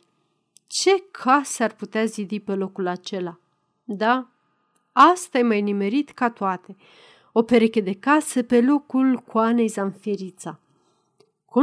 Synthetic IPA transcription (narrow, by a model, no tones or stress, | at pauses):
t͡ʃe̞kʰasəarput̪eazid̪ipe̞lo̞kulat͡ʃe̞la | d̪a | ast̪ajemajnime̞ɾit̪kat̪oat̪e̞ | o̞pe̞ɾeke̞d̪e̞kasəpe̞lo̞kulkuane̞jzanfiɾit̪sa | ku